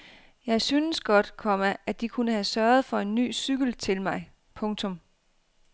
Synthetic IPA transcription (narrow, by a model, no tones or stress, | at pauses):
jɑ̈ɪsynəsɡ̥ɒ̽d̥kʰɒ̽mæʔæd̥ikʰunəɦæsɶɐð̞̩ˠfɒ̽e̝nːy̰ːsyɡ̥əl̩t͡sʰe̝lmɑ̈ɪ | pʰɔ̽ŋt͡sʰɔ̽m